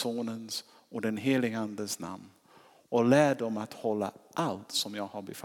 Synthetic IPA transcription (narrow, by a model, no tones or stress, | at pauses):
oːnəns | ɔd̪ɛnɦeːlɪɡəand̪əsna̰mn | ɔlæːɖɔmat̪hɔlːa̰ʔalt̪sɔmjɑːɡhaɾbɛfa